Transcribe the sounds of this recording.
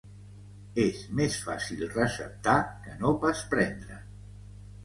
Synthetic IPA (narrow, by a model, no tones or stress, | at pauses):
ezmesfa̰silˠrəsə̰p̚t̪akənopaspɾɛnd̪ɾə